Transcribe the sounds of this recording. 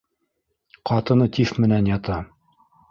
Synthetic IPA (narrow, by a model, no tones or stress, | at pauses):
qɑt̪ɤ̆nɤt̪iθmɘ̆nænjɑt̪ɑ